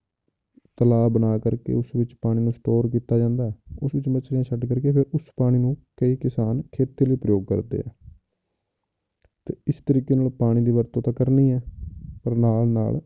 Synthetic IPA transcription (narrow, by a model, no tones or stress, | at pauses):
t̪əlaːbənaːkəɾkḛːʊsʋɪt͡ʃpaːɽ̃iːnũːsʈoːɾkiːt̪aːd͡ʒãːnd̪aːɛʊsʋɪt͡ʃmət͡ʃʰɾeãːʃəʈkəɾkeːpʰeɾʊspaːɽ̃ĩːnũːkəiːkɪsaːnkʰeːt̪eːləiːpɾəjoːɡ̚kə̰ɾd̪ḛːɛ̰ː | t̪eːɪst̪əɾiːkeːnaːlpaːɽ̃iːd̪iːʋəɾt̪õːt̪ãːkəɾniːɛːpəɾnaːlna̰ːl